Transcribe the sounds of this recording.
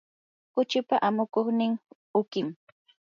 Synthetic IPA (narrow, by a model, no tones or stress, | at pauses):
kʊt͡ʃʊpaʔamʊkoχnɪŋ | ʊkɪm